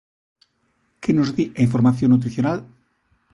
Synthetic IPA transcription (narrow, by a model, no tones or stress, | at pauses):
kenozðiaiɱfoɾmaθjonːut̪̬ɾiθjonal